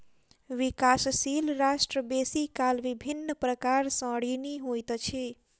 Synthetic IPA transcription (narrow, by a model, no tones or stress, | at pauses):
ʋikassilɾasʈɾəbesikalʋibʱinːəpɾəkaɾsə̃ɽiniɦojt̪t͡ʃʰi